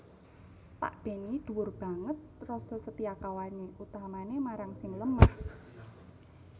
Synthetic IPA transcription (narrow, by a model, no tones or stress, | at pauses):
pa̰ʔb̥e̤nid̪̥ṳwʊrb̥a̤ŋət̪̚rɔsɔsət̪iakawaneʔut̪aɦamanemaɾaŋsɪŋləmah